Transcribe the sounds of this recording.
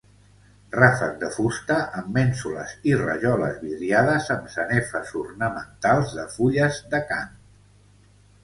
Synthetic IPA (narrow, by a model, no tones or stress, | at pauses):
rafəz̚d̪əfust̪əʔəmːɛnsulə̰zirə̰ʒɔlə̰zβiðɾiað̞əzəmsənɛfəzurnəmənt̪alˠzðəfuʎəzðəkan